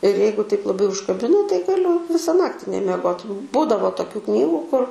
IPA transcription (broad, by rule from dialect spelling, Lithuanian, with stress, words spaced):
ɪr ˈjɛɪɡʊ tɐɪp lˠɐˈbɐɪ ʊʃkɐˈbʲɪnɐ tɐɪ ɡɐˈlʲʊ ˈʋʲɪsɐ ˈnɑːktʲɪ nʲɛmʲiɛˈɡoːt ˈbuːdɐʋoː toːˈkʲuː ˈknʲiːɡʊ kʊr